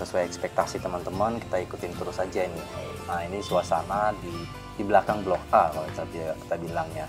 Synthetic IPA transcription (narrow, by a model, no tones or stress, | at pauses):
səsuajɛkspɛk̚t̪asit̪əmənt̪əmənki̥t̪aikut̪ɪnt̪əɾʊsad͡ʒaini | ainisuasanadi | dibəlakaŋblɔkaalt̪ət̪iki̥t̪abilaŋɲa